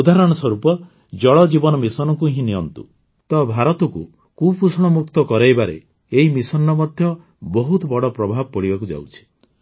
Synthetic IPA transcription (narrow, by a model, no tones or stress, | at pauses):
ud̪aɾɔɽ̃ɔswɔɾupɔ | d͡ʒɔɭɔd͡ʒibɔnɔmisɔnɔkuɦĩnijɔnt̪ṵ | t̪ɔbʱaɾɔt̪ɔku | kupusɽ̃ɔmuk̚t̪ɔkɔɾajbaɾḛ | eɦimisɔnːɔmɔd̪ʱjɔ | bɔɦut̪ɔbɔɽɔpɾɔbʱabɔpɔɽibakud͡ʒa̰wt͡ʃʰi̥